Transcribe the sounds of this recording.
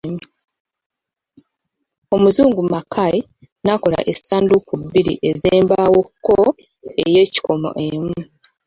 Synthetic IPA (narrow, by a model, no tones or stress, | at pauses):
mu | o̞muzuːŋɡumakʰai | nako̞la̰ʔesaːndukubːiɾḭʔe̞zeːmbawokːo | eje̞ːci̥ko̞mo̞̰ʔe̞mu